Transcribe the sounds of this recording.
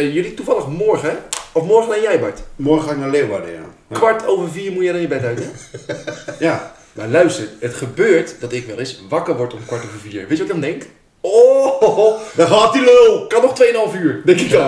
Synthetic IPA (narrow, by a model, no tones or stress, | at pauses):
jølituvɑlˠəxmɔɹχəɔfmɔɹχənajɛjbatmɔɹxəxaːɪknaleːwʋa̰də̰ja̰ | kʋaɹtʰowvərfiːrmujɛjdɔnɪjəbɛtœɥtɛ | ja | malœɥstərətχəbøːɹtdɔtɪkʋɛlˠɪsʋakərʋɔɹtɔmkʋaɹtoːvərfiːəɹʋɪːtjʋɔtkɔndɛŋk | o | daɦaːtilølˠkɑnɔxtʋejənɑlˠfyːəɹdɛŋkɪk